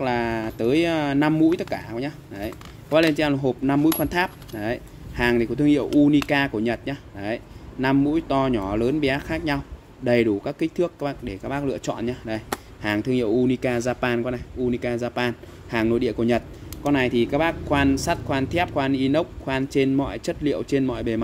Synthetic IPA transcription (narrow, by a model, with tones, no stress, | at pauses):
k̚laː˨˩t̪əː˨˦jna˧mːṵ˧˥jt̪ə˦˥t̚kaː˧˩˨ɲa˧ɗə˨˦j | ka˧˦˥ɓaː˦˥le˧t͡ɕːwlɦo˨˩p̚na˧mːṵ˧˥jxwaː˧nt̪ʰaː˦˥p̚ɗə˨˦j | haː˨˩ŋ˨˩kt̪ʰɨ˧əŋḭ˧˨ə˨wʔu˧ni˧kaː˧ku˧˩əɲə˨˩t̚ɲaː˧ɗə˨˩˦na˧mːṵ˧˥jt̪ɔ˧ɲɔ˧˩ləː˨˦nɓi˧˨ʔaː˦˥t̚xaː˦˥k̚ɲa˧w | ɗə˨˩jɗu˧˩kaː˦˥kːï˦˥k̚t̪ʰɨ˦˥əkːk̚ɗe˧˩kaː˦˥k̚ɓaː˦˥k̚lɨ̰˧ət͡ɕɔ̰˧˨nɲaː˧ɗə˨˩j | haː˨˩ŋt̪ʰɨ˧əŋḭ˧˨əwʔu˧ni˧kaː˧zaː˧paː˧nkɔ˧na˨˩jʔu˧ni˧kaː˧zaː˧paː˧n | haː˨˩ŋno̰˧˨jɗḭ˧˨əku˧˩ɲə˨˩t̚kɔ˧nːa˨˩jt̪ʰi˨˩kaː˦˥k̚ɓaː˦˥k̚xwaː˧nsa˦˥t̚xwaː˧nt̪ʰɛ˦˥p̚xwaː˧nʔi˧nə˦˥wk͡p̚xwaː˧nt͡ɕe˧nmɔ̰˧˨jt͡ɕə˦˥t̚lḭ˧˨əwt͡ɕe˧nmɔ̰˧˨jɓe˨˩ma˨˧